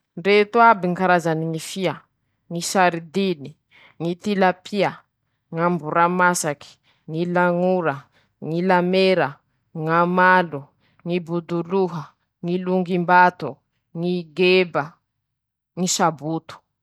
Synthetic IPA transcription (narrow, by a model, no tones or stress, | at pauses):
ɳɖ͡ʐet̪uabiŋikaɾazaniŋifiə | ŋisaɾid̪ini | ŋit̪ilapʰia | ŋambuɾamasaki̥ | ŋilaŋuɾə | ŋilameɾə | ŋamalu | ŋibud̪uluɦə | ŋiluŋɡimbat̪u | ŋiɡebə | ŋisabut̪u̥